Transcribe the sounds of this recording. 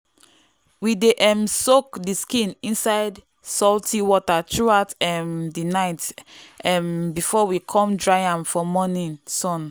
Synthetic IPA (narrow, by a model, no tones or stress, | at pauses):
wideʔɛmsokdiskĩnĩnsaɪd | sɔltʰiwɔtatʰɹuaʊtɛmdinaɪtɛmbifɔwikʰɔ̃mdɹajãnfɔmɔnĩnsɔ̃n